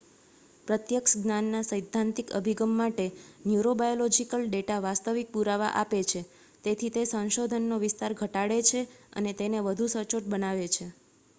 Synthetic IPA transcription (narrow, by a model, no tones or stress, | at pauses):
pɾət̪jəkʃɡnanːasəjd̪ʱːant̪ikə̰bʱiɡəmːaʈenjuɾobajolɔd͡ʒikəlɖeʈaʋast̪əʋik̚puɾaʋa̰ʔapet͡ʃʰe | t̪et̪ʰit̪esə̃ñʃod̪ʱənːoʋɪst̪aɾɡʱəʈaɽet͡ʃʰeə̰net̪eneʋəd̪ʱusəɾt͡ʃoʈ̚bənaʋet͡ʃʰe